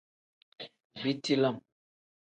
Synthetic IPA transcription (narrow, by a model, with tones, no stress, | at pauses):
bi˦ti˦la˦˨m